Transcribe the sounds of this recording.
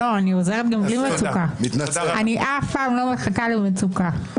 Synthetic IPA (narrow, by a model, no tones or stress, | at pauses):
oaniozeʁet̪̚ɡamɡlimet͡sukat̪aniʔafpaːmlo̞meχakalimet͡suka